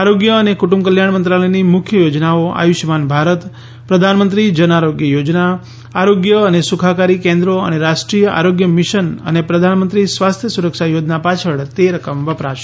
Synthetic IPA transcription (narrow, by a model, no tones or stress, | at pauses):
aɾoɡjəːnekuʈumbkəljaɳmənt̪ɾaləjnimʊkʰjəjod͡ʒnaoa̰juʃmanbʱaɾət̪ | pɾəd̪ʱanmənt̪ɾid͡ʒənaɾoɡjəjod͡ʒna | aɾoɡjəːnesukʰakaɾikẽnd̪ɾoə̰neɾaʃʈɾijəʔa̰ɾoɡjəmɪʃənə̰nepɾəd̪ʱanmə̃nt̪ɾisʋast̪ʰjəsuɾəkʃajod͡ʒnapat͡ʃʰəɭt̪eɾəkəmʋəpɾaʃ